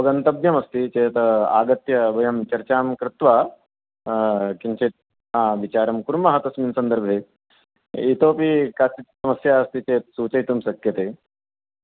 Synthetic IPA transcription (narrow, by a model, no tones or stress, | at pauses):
pɐɡɐnt̪ɐbjɐmɐst̪it͡ʃeːt̪a̰ːɡɐt̪jɐbʱɐjɐmt͡ʃɐɾt͡ʃaːmkɾɪt̪ʋaː | kint͡ʃit̪̚ | aːʋit͡ʃaːɾɐmkuɾmɐɦɐt̪ɐsmiːnsɐnd̪ɐɾbʱeː | it̪oːpikaːt͡ʃit̪̚sɐmɐsjaːɐst̪it͡ʃeːt̪̚suːt͡ʃɐjt̪umsɐkjɐt̪eː